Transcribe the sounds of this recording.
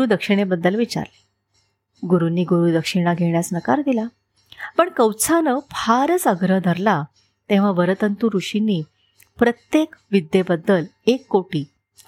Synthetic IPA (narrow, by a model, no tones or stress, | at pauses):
ɾuːd̪əkʂiɽ̃ebəd̪ːəlʋit͡ɕa̰ɾle̥ | ɡuɾunːiːɡuɾuːd̪əkʂiɽ̃aɡʱeɳjasnəkaɾd̪ila | pəɳkəwt͡sʰanəpʰaɾət͡səɡɾəɦd̪ʱəɾla | t̪ẽʋ̤aʋəɾət̪ənt̪uɾuɕinːiː | pɾət̪jekʋid̪ːebəd̪ːəl | ekːoʈiː